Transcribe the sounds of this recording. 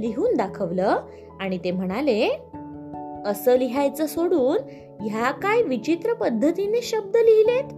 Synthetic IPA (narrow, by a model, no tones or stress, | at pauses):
liɦuːnd̪akʰəʋləː | aɽ̃it̪em̤əɽ̃ale | əsəːliɦajt͡səsoɽuːn | jakajʋit͡ɕit̪ɾəpəd̪ʱːət̪ineɕəb̚d̪əliɦilet̪